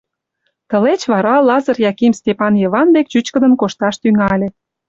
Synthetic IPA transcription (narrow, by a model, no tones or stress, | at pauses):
t̪ə̆let͡ɕβɑɾɑlɑzɤ̆rjɑkimstʲepɑnjeβɑnbek̚t͡ɕyt͡ɕkə̆d̪ə̆nkoʃt̪ɑʃt̪yŋɑlʲĕ